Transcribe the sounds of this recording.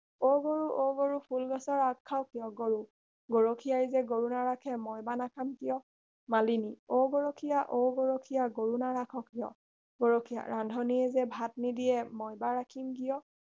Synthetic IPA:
oɡoɹuʔoɡoɹupʰulɡɔsɔɹakʰːawkijɔɡoɹu | ɡoɹokʰijaizɛɡoɹunaɹakʰɛmɔjbanakʰamkijɔ | malinioɡoɹokʰijaʔoɡoɹokʰijaɡoɹunaɹakʰɔkijɔ̰ | ɡoɹokʰija̰ɹandʱɔniɛzɛbʱatnidiɛmɔjbaɹakʰimkijɔ

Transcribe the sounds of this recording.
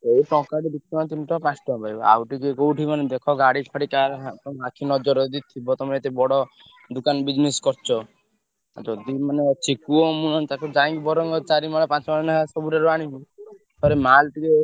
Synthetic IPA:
eipɔ̃kaɽid̪ikːɔat̪inʈɔpãsʈɔbajbɔa̰wʈikekowʈʰimaned̪ekʰɔɡaɽipʰaɽikaɾɦat̪ɔakʰinɔd͡ʒɔɾɔd̪it̪ʰːibɔt̪ɔmet̪ebɔɽɔ | d̪ukanbid͡ʒneskɔɾt͡ʃʰɔ | d͡ʒɔd̪imanet͡ʃʰikuɔmũnɔnt̪akɔd͡ʒãŋkibɔɾɔŋɡɔt͡ʃaɾimaɽɔpãt͡ʃɔmaɭnaɦasɔbuɾaɾɔaɽ̃ibi | pʰɔɾemalʈike

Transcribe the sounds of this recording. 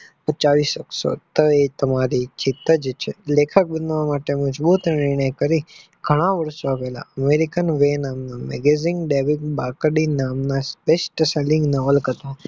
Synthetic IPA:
pət͡ʃaʋisəkʃo̰t̪oet̪əmaɾit͡ʃɪt̪əd͡ʒet͡ʃʰelekʰək̚bənʋamaʈeməd͡ʒbut̪nnɪɾɳ̃əjkəɾi | ɡʱəɽ̃ãʋəɾʃoʋɛla̰əmeɾikənʋenamnamɛ̰ɡeziŋɡɖeʋikbakɖinamnaspesʈəselɪŋɡnaʋəlkət̪õ

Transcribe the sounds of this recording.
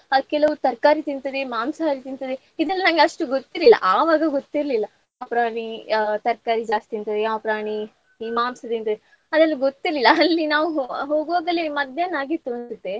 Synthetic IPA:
ɐkɛlɐʋut̪ɐɾkaːɾit̪int̪ɐd̪emaːmsaɾit̪int̪ɐd̪e | id̪ɐlːɐnɐŋɡeɐʂʈuɡot̪ːiɾlilːɐ̰ʔaːʋaːɡɐɡot̪ːiɾlilːɐ | aːpɾaːɳit̪ɐɾkaːɾid͡ʒaːst̪int̪ɐd̪eaːpɾaːɳi | iːmaːmsɐt̪int̪ɐd̪e | ɐd̪ɐlːɐɡot̪ːiɾlilːɐɐlːinaːʋuɦoːɡoːɡɐlːemɐd̪jɐnaːɡit̪ːuɐnsut̪ːe

